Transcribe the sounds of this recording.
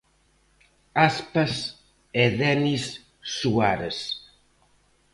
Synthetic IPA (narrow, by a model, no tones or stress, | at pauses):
aspɐs | ɛðɛnisː | uaɾes